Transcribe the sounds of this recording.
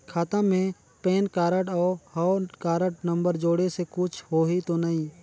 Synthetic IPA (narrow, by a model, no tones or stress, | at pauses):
kʰaːt̪ə̃mẽ | peːnkaːɾəʈɔːhɔːkaːɾəʈnə̃mbəɾd͡ʒoːɽesekʊt͡ʃʰhoːɦit̪onaĩː